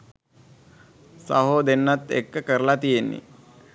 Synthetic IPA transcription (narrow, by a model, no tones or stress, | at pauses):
sa̰ɦoːd̪enːat̪ḛkːəkəɾəlat̪ijenːḭ